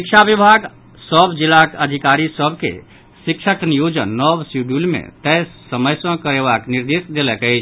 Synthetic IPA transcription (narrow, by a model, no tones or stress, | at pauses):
sik̚t͡ʃʰabibʱaɡ | səbʱd͡ʒilakəd̪ʱikaɾisəbʱkḛ | sikt͡ʃʰəknijod͡ʒənːɔbsuɖulmḛ̃t̪əjsəməjsə̃kəɾeβakniɾd̪esd̪eləkəɪt͡ʃʰ